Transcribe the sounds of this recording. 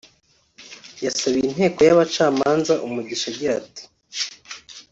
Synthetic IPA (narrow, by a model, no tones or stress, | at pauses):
jasaβiin̥he̞ːko̞jaβat͡ʃaːmaːnzaʔumuɟiʃaɟiɾati̥